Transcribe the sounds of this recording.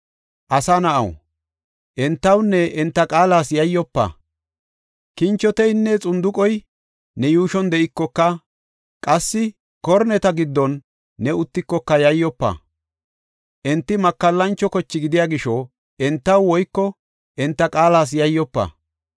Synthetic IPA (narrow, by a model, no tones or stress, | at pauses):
ʔɐsɐnɐʔɐ̰w | ʔɛnt̪ːɐwnːɛʔɛnt̪ːɐkʼaːlaːsjɐjːɔpːɐ̰ | kɪnt͡ʃːɔt̪ɛjnːɛt͡sʼʊnd̪ʊkʼɔj | nɛjuːʃɔnd̪ɛʔɪkːɔkːɐ | kʼɐsːɪ | kɔɾnɛt̪ɐɡɪd̪ːɔnː | ɛʊt̪ːɪkːɔkːɐjɐjːɔpːɐ̰ | ʔɛnt̪ːɪmɐkːɐlːɐnt͡ʃːɔkɔt͡ʃːɪɡɪd̪ɪjaːɡɪʃɔ | ʔɛnt̪ːɐwwɔjkːɔ | ʔɛnt̪ːɐkʼaːlaːs̬jɐjːɔpːɐ̰